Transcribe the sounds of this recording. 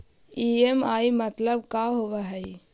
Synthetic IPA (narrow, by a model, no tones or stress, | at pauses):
iemaːimɐt̪ləb̚kaːɦoʋaɦɛj